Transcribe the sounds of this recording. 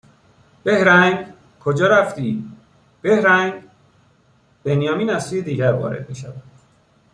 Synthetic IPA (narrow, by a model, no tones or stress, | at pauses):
b̥e̞hɾæŋɡ | kʰod͡ʒɒːɾæft̪iː | b̥ehɾæŋɡ | b̥e̞nijɒːmiːnæzsuːjed̪iːɟæɾvɒ̰ːɾḛd̪̥̚mḭːʃævæd̪̥